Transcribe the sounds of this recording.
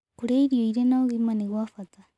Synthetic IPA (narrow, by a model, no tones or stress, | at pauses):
kuɾeiɾioiɾenaoɣimaniɣwafata